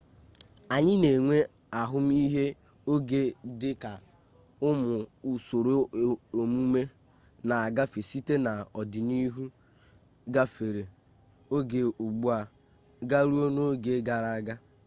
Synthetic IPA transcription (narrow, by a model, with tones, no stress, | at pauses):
a˨ɲɪ˦ne˨ŋʷe˦ | a˨ɦʊ˦m̩˦i˦ɦe˦ | o˦ɡe˦dɪ˦ka˨ | ʊ˦mʊ˨u˨so˨ɾo˦˨o˨mu˦me˦ | na˨a˨ɡa˦fe˨si˦te˦na˨ɔ˨dɪ˨ni˦ɦu˦ | ɡa˦fe˨ɾe˨ | o˦ɡe˨u˨ɡ͡bu˦a˨ | ɡa˦ɾu˦o˦no˦o˦ɡe˦ɡa˨ɾa˦ɡa˦